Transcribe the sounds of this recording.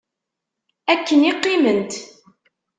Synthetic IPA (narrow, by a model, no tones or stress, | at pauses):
ækːəniqːimənt̪